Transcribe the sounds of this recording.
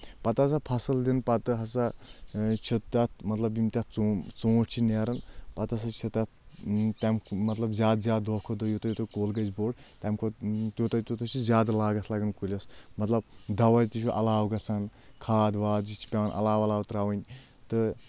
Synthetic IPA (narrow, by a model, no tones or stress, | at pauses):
pɐt̪as̬apʰɐsɨld̪inpɐt̪ɨɦɐsa | t͡ʃʰut̪t̪ːʲat̪̚ʰmɐt̪lɐbjimt̪ʲat̪̚t͡sot͡sõːʈt͡ʃʰineːɾɐnpɐt̪as̬at͡ʃʰɐt̪ːʲat̪̚t̪ʲɐmmɐt̪lɐbzʲjaːd̪zʲjaːd̪d̪oːkʰod̪ojot̪ojut̪okoːlɡɐzboːɽt̪ʲamkʰot̪jot̪ɐt̪ut̪ɐt͡ʃʰizʲaːd̪laːɡɐt̪ʰlaːɡɐnkulʲɐsmɐt̪lɐb̚d̪ɐʋɐjt̪it͡ʃʰuʔɐlaːwɡɐt͡sʰankʰaːd̪ʋaːd̪zit͡ʃʰi̥pʲeʋɐnʔɐ̰laːʋɐlaːwt̪ɾaːʋɐnʲ | t̪ɨ